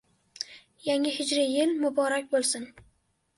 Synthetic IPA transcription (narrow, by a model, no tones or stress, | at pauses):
jaŋɪhɪd͡ʒɾɪjɪlmʊbɒɾakʲbolˠsɪn